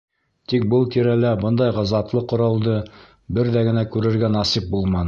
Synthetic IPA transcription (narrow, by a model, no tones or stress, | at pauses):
t̪ik̚bɤlˠkiɾælæbɤnd̪ɑjʁɑzɑt̪lˠɤqŏɾɑlˠd̪ɤ | bɘɾðæɡɘ̆nækʉɾɘ̆ɾɡænɑsip̚bulˠmɑn